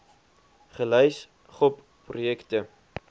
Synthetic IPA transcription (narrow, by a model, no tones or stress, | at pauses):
χəlœjs | χɔp | prujɛktə